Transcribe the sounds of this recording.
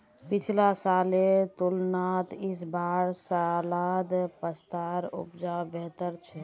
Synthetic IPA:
pit͡ʃʰlasalet̪ulnat̪isbaɾsalad̪pəst̪aɾṵpd͡ʒabet̪əɾt͡ʃʰɛ

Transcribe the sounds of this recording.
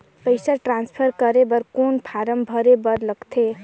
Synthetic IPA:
pəɪsaʈɾãnspʰəɾkəɾebəɾkonpʰaɾəmbʱəɾebəɾləɡt̪ʰe

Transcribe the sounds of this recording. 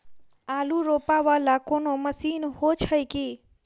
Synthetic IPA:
alũɾopaʋalakonoməsinhot͡ʃʰəjki

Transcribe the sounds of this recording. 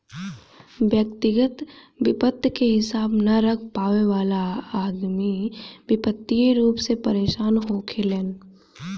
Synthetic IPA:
ʋjək̚t̪ɪɡət̪ | ʋɪpət̪ːjkeɦɪsaːbnɐɾɐkʰpaːʋeʋaːlaaːd̪miʋɪpət̪ːieɾuːpsepɐɾeːʃaːnɦoːkʰeleːn

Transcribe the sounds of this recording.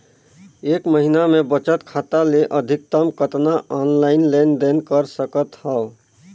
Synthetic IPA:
eːkməɦinamebət͡ʃət̪kʰat̪aleʔəd̪ʱik̚t̪əmkət̪naʔɔnlaɪnlend̪enkəɾsəkət̪həo

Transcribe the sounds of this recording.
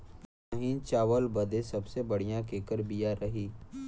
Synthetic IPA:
aɦĩt͡ʃaːʋəlbɐd̪esɐbsebɐɽ̤ijãkeːkəɾbijaɾɐɦiː

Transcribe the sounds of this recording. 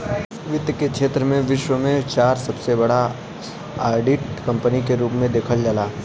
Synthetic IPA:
ʋɪt̪jəkekʰʃʰeːt̪ɾəmẽʋɪʃwəmẽt͡ʃaːɾsɐbsebɐɽa | aːɾɖiʈkɐ̃mpənikeɾuːpmẽd̪eːkʰəld͡ʒalaː

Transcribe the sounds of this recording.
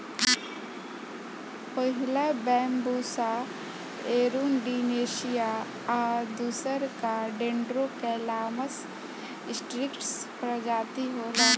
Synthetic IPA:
pəɦɪlabɛːmbuːsa | eːɾuːnɖineːʃɪja | aːd̪uːsəɾkaɖẽɳɖɾokɛːlaːməs | ɪsʈɾɪkʈspɾəd͡ʒaːt̪iɦoːlaː

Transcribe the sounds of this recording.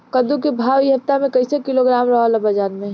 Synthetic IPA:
kəd̪ukebʱaːʋjɐpt̪amẽkɐɪsekɪloɡɾaːmɾɐɦalɐbɐd͡ʒaːnmẽ

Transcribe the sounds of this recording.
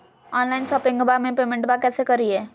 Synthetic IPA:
ɔːnlaːɪnsɐpɾɪ̃ŋɡbamẽpeːmẽɳʈbakɛːsekəɾiɦɛː

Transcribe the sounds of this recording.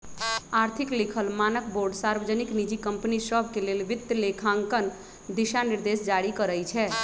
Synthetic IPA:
aɾt̪ʰiklikʰəlmanəkboɾɖsaɾbəd͡ʒəniknid͡ʒikəmpnisəbʱkelelʋit̪ːəlekʰãŋkən | d̪iʃaniɾd̪esd͡ʒaɽikəɾəjt͡ʃʰɛ

